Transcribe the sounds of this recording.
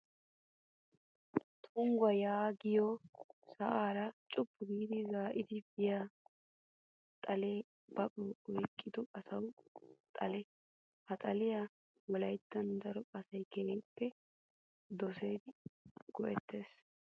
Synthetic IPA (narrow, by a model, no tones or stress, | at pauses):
t̪ʰʊŋɡwɐjaːɡɪjɔsɐʔaːɾɐt͡ʃʼʊpːʊɡiːd̪ɪzaːʔɪt̪ɪbɪja | t̪ʼɐle | b̥ɐpʼɔɔjkʼːɪd̪ɔɐsɐwt̪ʼɐlɛ | hɐt̪ʼɐlɪja | wɔlɐjt̪ːɐnd̪ɐɾɔɐsɐjkɛeːpːɛ | d̪ɔseːd̪ɪɡ̥ɔʔɛt̪ːe̞ːs